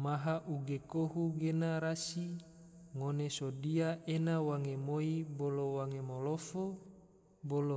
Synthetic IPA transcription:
maɦaʔuɡekoɦuɡenaɾasi | ŋonesodiaʔenawaŋemoibolowaŋemolofo | bolo

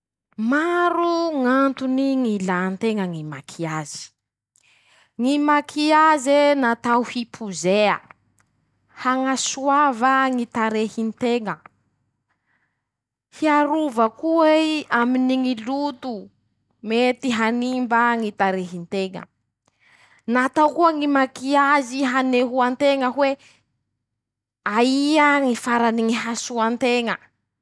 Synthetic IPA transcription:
maɾuŋant̪uniŋilant̪eŋəŋimakʰiaz̥i̥ | ŋimakʰiazenat̪awhipʰuzeə | haŋasuavəŋit̪aɾehint̪eŋə | hiaɾuvəkuiaminiŋilut̪u | met̪iɦanimbaŋit̪aɾeɦint̪eŋə̰ | nat̪awkuəŋimakiaziɦaneɦuant̪eŋəɦwe | aiaŋifaɾaniŋiɦasuant̪eŋə

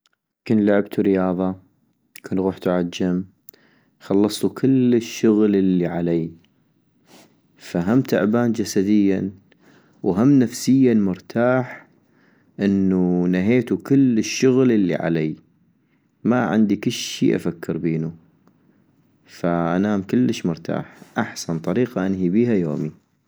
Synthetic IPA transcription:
kʊnlʊʕɪb̚t̪ʰuɾɪjɑːðˤɑ | kʊnɣuːħt̪ʊʕad͡ʒːɪm | xɑlːɑsˤt̪ukʰɪlːəʃːʊɣllːiʕalaː | faɦamt̪a̰ʕbaːnd͡ʒasad̪əjːan | wɦamːnafsɪjːamʊɾt̪ʰaːħ | ʔɪnːunaɦeːt̪ukɪlːəʃːʊɣləlːḭʕa̰laː | maʕɪ̰nd̪ikɪlʃḭːʔa̰fakʰːɪɾbeːnu | faʔanaːmkɪlːəʃmʊɾt̪ʰa̰ːħʔaħsant̪ˤɑɾiːqaʔanɦibiːhajo̰ːmi

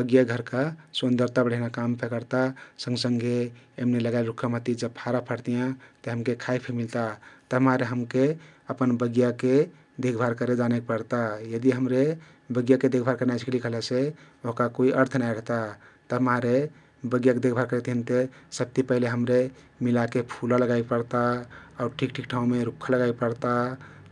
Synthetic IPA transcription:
bəɡjaɡʱəɾkasənd̪əɾt̪abəɽ̤eɦnakampʰekəɾt̪asə̃ŋɡsəŋɡeemneləɡalɾukʰəmɦət̪id͡ʒəbpʰaɾapʰəɾt̪ijãt̪əɦəmkekʰaikpʰemilt̪at̪əɦəmaɾeɦəmkeəpənbəɡjake | d̪ekʰbʱaɾkəɾed͡ʒanek̚pəɾt̪ajəd̪iɦəmɾe | bəɡjaked̪ekʰbʱaɾkəɾnajsi̥klikəɦlese | oɦkakoiʔəɾt̪ʰnaiɾəɦt̪at̪əɦəmaɾe | bəɡjaked̪ekʰbʱaɾkəɾɛt̪ɦənt̪esəb̚t̪ipəɦileɦəmɾe | milakepʰulaləɡaipəɾt̪aauɾʈʰikʈʰikʈʰãũmeɾukʰːaləɡaipəɾt̪a

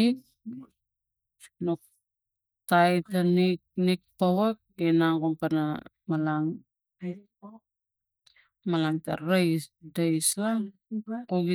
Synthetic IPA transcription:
ik̚ | nok̚ | tajtaniknik̚pawak̚enaŋɡompana | malaŋ | malaŋta̰ɾajsdajsla | koɡi

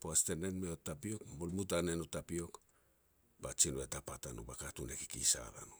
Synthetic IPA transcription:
poastenenmeotapiokmolmutanenotapio̞k | bat͡ʃinuetapatanṵbakatuneki̥kisa̰ba̰nu

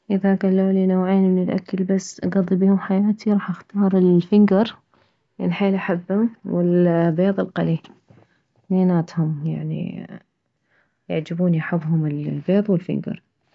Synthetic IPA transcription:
ʔɪðaʔɡalːuːlinaːʕeːnmɪnɪlʔa̰kːalbasːʔɡɑðˤːibiːhʊmħajaːt̪ʰiɾˤɑːħʔaxt̪ɑːɾˤɪlfɪŋɡɑɾˤ | jaʕniħeːlʔaħabːhʊmwɪlbeːðˤɨlqa̰li | meːnaːt̪hʊmja̰ʕnḭ | jaʕd͡ʒabuːnjaħabːɦʊmɪlbeːðˤwɪlfɪ̰ŋɡɑ̰ɾˤ

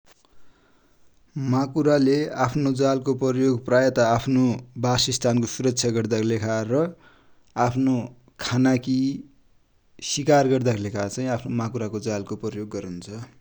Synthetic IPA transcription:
makuɾaleapʰnod͡zalkopʌjoɡprajʌt̪aːpʰnobasist̪ʰankosuɾʌksʰjaɡʌrd̪aklekʰarʌ | apʰno | kʰanaki | sikarɡʌrd̪aklekʰat͡sʌ̃ĩapʰnomakuɾakod͡zalkoprʌjoɡːʌɾunt͡sʰʌ

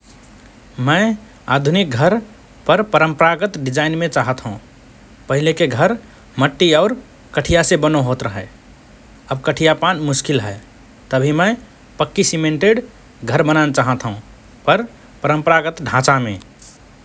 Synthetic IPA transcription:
mə̃ɪ | ad̪ʱunik̚ɡʱəɾ | pəɾpəɾəmpəɾaɡət̪ɖid͡ʒainmẽt͡ʃaɦət̪ɦũ | pəɦilekeɡʱəɾ | məʈːiɔːɾ | kəʈʰijasebənoɦot̪ɾəɦɛ | əbkəʈʰijapanmʊskilɦɛ | t̪əbʱimə̃ | pəkːisimẽɳʈeɖ | ɡʱəɾbənanet͡ʃaɦət̪ɦũ | pəɾ | pəɾəmpəɾaɡət̪ɖʱãt͡ʃamẽ

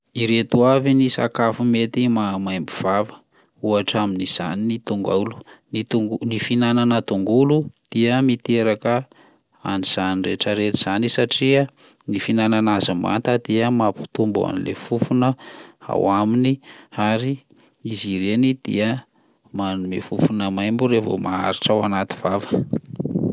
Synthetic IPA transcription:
iɾet̪uavinisa̰kafumet̪imamajmbiv̥avə̥ | uaʈ͡ʂaminiz̥a̰ninit̪uŋɡa̰ulu̥nit̪uŋɡunifinananət̪uŋɡulud̪̥iəmit̪eɾakə | a̰niz̥anireʈ͡ʂəɾet̪i̥z̥anisaʈ͡ʂi | nifinananazama̰t̪ad̪iəmapu̥t̪umba̰nilḛfufunəa̰waminiaɾi | iziɾenid̪̥ḭə | manumefufunəmajmbuɾevo̰maa̰ɾiʈ͡ʂawanat̪i̥v̥avə̥

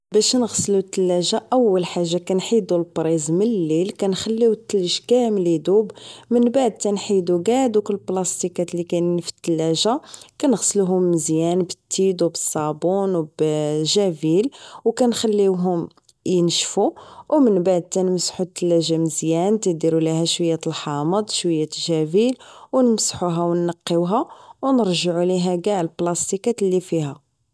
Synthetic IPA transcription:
bæʃnəɣslut̪ːəlːæʒaʔæwːəlħaʒːakænħid̪ulbɾˤizmənlːilkænxælːiwt̪ːələʒkæmlid̪ubmənbaʕd̪̚t̪ænħid̪uɡaʕd̪ukʊlːblɑst̪ikæt̪likænnfə̥t̪ːəlːæʒakænəɣsluɦʊmːəzjænbə̥t̪ːid̪wbəsˤːɑbunwbʒævilwkænxælːiwɦʊm | jənʃfuwmənbaʕd̪̚t̪ænmsħut̪ːəlːæʒaməzjænt̪əd̪iɾuliɦæʃwəjːæt̪əlħɑməd̪ˤʃwəjːæt̪ʒævilwnəmsħuɦæwnːɑqːəwɦæwnəɾʒəʕuliɦæɡæʕlblɑst̪ikæt̪lːifihæ

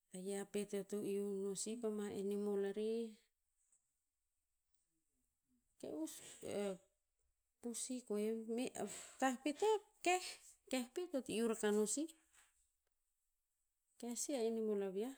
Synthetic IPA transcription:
ajapetotoiunosipamaḛnimolaɾi | kḛuse | pusikoemetahpetokehkehpetotiuɾakanosi | kesiaenimolaβia

